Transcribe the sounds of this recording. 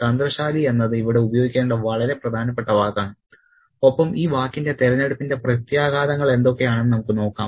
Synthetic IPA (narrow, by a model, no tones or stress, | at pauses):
t̪ɐnd̪rɐɕaːlie̞nːɐðɨiʋiɽe̞ubɐjo̞ːɡikʲːeːɳɖɐʋɐɭɐɾe̞prɐd̪ʱaːnɐp̬ːe̞ʈːɐʋaːkːaːɳɨ | o̞pːɐmiːʋaːkːinde̞t̪eɾɐneɽupːinde̞prɐt̪jaːɡaːd̪ɐŋːɐɭe̞nd̪o̞kːe̞jaːɳɨmnɐmukːɨno̞ːkːa̰ːm